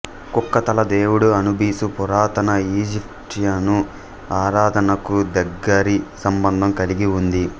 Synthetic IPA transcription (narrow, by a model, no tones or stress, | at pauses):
kukːɐt̪ɐlɐd̪eːwuɽuɐnubiːsupuɾaːt̪ɐnɐiːd͡ʒipʂjanu | aːɾaːd̪ʱɐnɐkud̪ɐɡːɐɾisɐmbɐnd̪ʱɐmkɐliɡiund̪i